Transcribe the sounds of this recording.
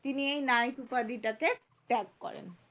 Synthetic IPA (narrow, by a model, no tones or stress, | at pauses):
t̪iniejnajʈupad̪iʈake | ʈɛkːɔ̰ɾḛn